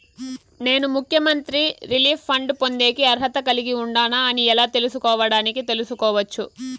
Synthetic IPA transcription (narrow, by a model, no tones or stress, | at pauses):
ne̞ːnumukʰjɐmɐnt̪ɾiɾiliːfːɐɳɖpo̞nd̪e̞ːkiɐɾɦɐt̪ɐkɐliɡiuɳɖaːnaɐniɛlaːt̪e̞lusukɔːʋɐɽaːnikit̪e̞lusukɔːʋɐt͡ʃːu